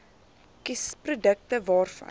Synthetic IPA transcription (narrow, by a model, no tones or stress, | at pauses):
kisprudək̚təvɑːrfɐ̰